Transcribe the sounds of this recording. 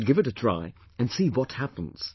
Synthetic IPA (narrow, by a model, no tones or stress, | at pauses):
d̚ɡɪvɨtɨtʰɹ̥a̰ɪ | ɨ̃nsiwʌt̚hæpə̃n̩z̥